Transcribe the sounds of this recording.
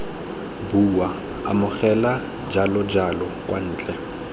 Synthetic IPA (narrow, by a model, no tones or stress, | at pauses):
buwa | amʊχɛla | d͡ʒalɔd͡ʒalɔkʼwan̩ːt͡ɬʼɛ